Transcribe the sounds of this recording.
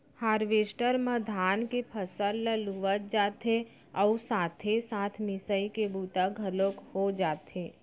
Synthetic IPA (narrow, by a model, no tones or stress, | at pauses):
haːɾʋeːsʈəɾməd̪ʱaːnkepʰəsəlːəluʋət̪̚d͡ʒaːt̪e | ɔːsaːt̪ʰesaːt̪ʰmɪsəikebuːt̪aɡʱəlokhod͡ʒaːt̪eː